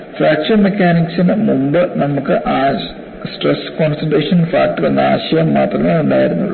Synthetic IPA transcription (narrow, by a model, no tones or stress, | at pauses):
fɾaːkʂɐnmekʲːaːniksɐnɨmumbɨnɐmukːɨʔaː | sʈreskoːnsɐnɖeːʂɐnfaːk̚ʈːɨʋɐnːɐa̰ːɕɐjɐmːaːt̪rɐmŋɐɭuɳɖaːjiɾunːṵɭː